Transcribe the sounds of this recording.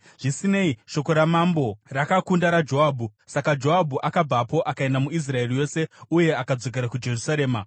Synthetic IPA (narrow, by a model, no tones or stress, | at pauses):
ʐ̥isine̞iʃo̞ko̞ɾamambo̞rakakundaɾad͡ʒo̞aːbʱusakad͡ʒo̞abʱuʔakab͡vapo̞ʔakae̞ndamuis̬rae̞rijo̞ːse̞uje̞akad͡zo̞k̬e̞ɾakud͡ʒe̞rusaɾe̞ːma